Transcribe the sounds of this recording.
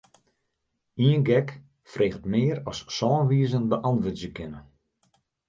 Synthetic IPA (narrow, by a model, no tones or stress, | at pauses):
iənɡɛk | freːɣətmɪəɾɔssɔːnʋiːzəndəʔɔnʋɪtzjəkɪnə